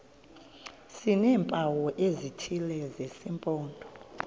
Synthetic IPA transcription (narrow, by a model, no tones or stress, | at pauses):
sinɛːmpʼawɔʔezitʰilɛzesimpʼɔːndʼʱɔ